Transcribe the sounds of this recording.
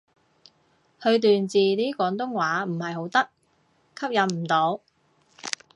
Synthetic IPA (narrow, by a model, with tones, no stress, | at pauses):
hɵ˧ɥt̪yː˨nt͡siː˨niː˥kʷɔː˨˧˥ŋt̪ʊ˥ŋwaː˨˥m̩˨˩hɐ˨jɦo˨˥wt̪ɐ˥k̚ | kʰɐ˥p̚jɐ˨˥nm̩˨˩t̪o˨˧˥w